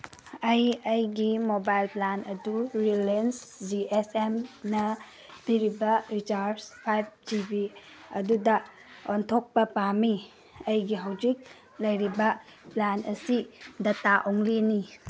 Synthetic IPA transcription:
ɐjɐjɡimobajlplanɐduɾilensd͡ʒiesemnɐ | b̥iɾibɐɾit͡ʃaɾspʰajb̚d͡ʒibi | ɐdudɐ | ontʰok̚pɐpami | ɐjɡiɦawd͡ʒik̚ | lɐjɾibɐ | planɐsidɐtaʔoŋlini

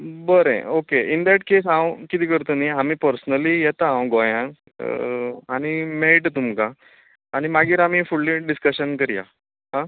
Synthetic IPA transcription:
bəɾḛ̃okeind̪æʈkes̬ãwkit̪iːkəɾt̪əniamiːpəɾsnəlijɛt̪aãwɡojã | aɽ̃imeɭiʈt̪umkaː | ɽ̃imaɡiːɾam̤iːfuɭːiɖiskəɕənkəɾja̰ | ɦã

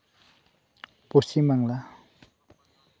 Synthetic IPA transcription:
pʊsɪmaŋla

